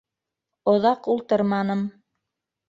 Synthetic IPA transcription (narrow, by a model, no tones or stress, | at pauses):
ŏðɑqulˠt̪ɤɾmɑnɤm